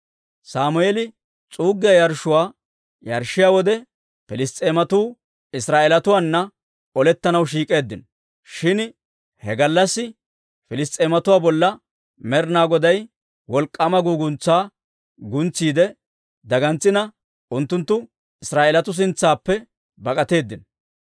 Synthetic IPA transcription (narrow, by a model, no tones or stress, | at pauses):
saːmʊelɪ | t͡sʼuːɡɪjɐjɐɾʃʊwaː | jɐɾʃːɪjaːwɔd̪ɛ | fɪlɪst̪ʼeːmɐt̪uː | ɪsɾaːʔeːlɐt̪ʊwaːnːɐ | ɔlɛt̪ːɐnɐwʃ̬iːkʼe̞ːd̪ːɪnɔ | ʃɪn | hɛɡɐlːɐsːɪ | fɪlɪst̪ʼeːmɐt̪ʊwaːbɔlːɐ | mɛɾnaːɡɔd̪ɐj | wɔlkʼːɐmɐɡuːɡʊnt͡sːaː | ɡʊnt͡sːiːd̪ɛ | d̪ɐɡɐnt͡sːɪnɐ | ʔʊnt̪ːʊnt̪ːʊ | ɪsɾaːʔelɐt̪ʊs̬ɪnt͡sːaːpːɛ | bɐkʼɐt̪e̞ːd̪ːɪn